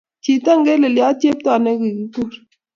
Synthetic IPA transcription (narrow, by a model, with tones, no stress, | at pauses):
t͡ʃi˨ta˦ŋɡe˦le˨lja˦tje˦p̚ta˦˨ne˦ki˨ki˨˦ku˦˨ɾ